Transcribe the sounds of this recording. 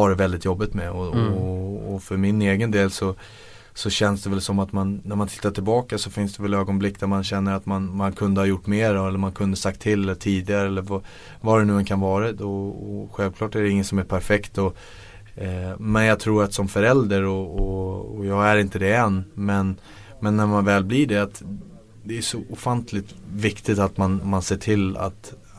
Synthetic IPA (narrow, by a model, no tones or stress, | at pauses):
ɑɾɛvɛld̪ɪt̪jɔbːɪt̪mɛɔː | fœɾmɪneːɡənd̪eːlsɔ | sɔɕɛnsd̪ɛvɛlsɔmːat̪manːæɾmant̪ʰɪ̥t̪ːaʈʰɪlbɑːkasɔfɪnsd̪ɛvɛløːɡɔnblɪkːd̪æɾmanɕɛnːəɾat̪manmankʰɵnd̪əhaɾjʊʈːmeːɾaɛlːəɾmankʰɵnd̪əsakt̪ʰːɪlːɛlːəʈʰiːd̪ɪɡaɾəɛlːəɾvɑ | vad̪ɛnʉ̟ːɛnkʰanvɑːɾad̪ɔɔɧɛlvkʰlɑːʈæɖɛɪŋːənsɔmæɾpʰæɾfɛkt̪ɔ | mɛnjɑɡ̚t̪ʰɾuːɾat̪sɔmfœɾɛld̪əɾɔɔɔjɑːɡæɾɪnt̪əd̪ɛɛnːmɛn | mɛnːæɾmanvɛːlbliɖɛat̪ | d̪ɛːʂɔʔɔfant̪ʰlɪt̪vɪkt̪ɪt̪at̪manmanseːʈʰɪlːa̰t̪